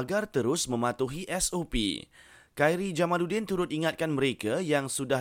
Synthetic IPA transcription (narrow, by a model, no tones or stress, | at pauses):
ɡart̪əɾʊsmə̃mat̪uɦiʔɛsopḭ | kajɾid͡ʒamãludɪnt̪uɾʊt̪̚iŋat̪̚kanməɾekajaŋsudah